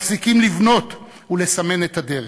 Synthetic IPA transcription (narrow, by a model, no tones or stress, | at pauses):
fsikimlivno̞t̪ | ule̞same̞net̪ad̪e̞ʁe